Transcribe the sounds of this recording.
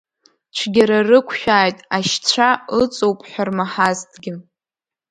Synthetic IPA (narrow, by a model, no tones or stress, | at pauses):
t͡ʃʷʰɡʲaɾarɨkʷʰʃᶣaːjtʼaʃt͡ɕʷʰaɨt͡sʼowpʼħʷᶣarmaħaztʰʼɡʲɪ